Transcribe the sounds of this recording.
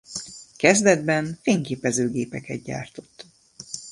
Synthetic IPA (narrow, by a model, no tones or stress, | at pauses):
kɛzd̪ɛd̪̚bɛnfeːŋkeːpɛzøːɡeːpɛkɛd̪̚ɟa̰ːrt̪o̞̥t̪ː